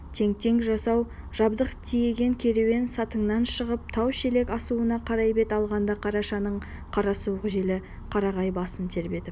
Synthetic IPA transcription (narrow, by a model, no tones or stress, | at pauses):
t̪ʰe̞ŋt̪e̞ŋɡʒɑsɑw | ʒɑbd̪əqt̪ʰije̞ɡʲe̞ŋkʲʰe̞ɾewe̞nsɑt̪əɴnɑnʃəʁəp̚t̪ʰɑwʃe̞le̞kɑsuənɑqʰɑɾɑjbe̞t̪ɑlˠʁɑnd̪ɑqʰɑɾɑʃɑnəɴ | qʰɑɾɑsuʁəʒe̞lɪ | qʰɑɾɑʁɑjbɑsəmt̪ʰe̞ɾbe̞t̪ɪp